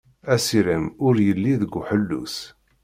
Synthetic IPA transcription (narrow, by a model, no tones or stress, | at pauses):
æsiɾimʊɾjəlːiðəɡʷːħəlːṵs